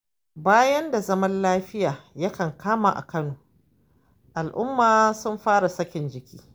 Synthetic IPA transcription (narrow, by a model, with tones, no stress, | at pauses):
baː˦jɐ˦nda˨zɐ˦mɐ˦nlaː˦ɸɪ˦jaː˨jɐ˦kɐ˨ŋkaː˦ma̰ː˨ʔa̰˨kɐ˦noː˨ | ʔa˨lʔʊ̰˦mːaː˨sʊ˦mɸaː˦ɽa˨sɐ˦kʲɪ˨nd͡ʒɪ˨kʲiː˦